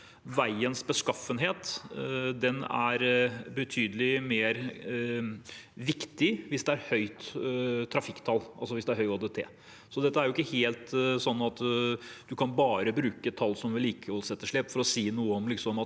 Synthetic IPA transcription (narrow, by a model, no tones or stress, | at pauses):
ʋæɪənsbəskɑfənɦeːt̪ | d̪ɛnæ̰ɾbɛt̪ʰyːd̪əlɪmeːɾ | ʋɪkt̪ɪʋɪsd̪ɛæɾhœʏt̪t̪ʰːɾɑfɪkːt̪ʰɑlːʔɑ̰lsɔʋɪsd̪ɛæɾhœʏɔd̪ɛt̪ʰḛː | sɔd̪ɛt̪ːəæɾjʊɪkːəheːlt̪sɔnːɑt̪d̪ʉkʰɑnbɑːɾəbɾʉːkət̪ʰɑlːsɔmʋɪliːkʰəɔlsɛt̪ːəʂɭɛːpːfɔɾɔsiːnuːəɔmlɪksɔmɑt̪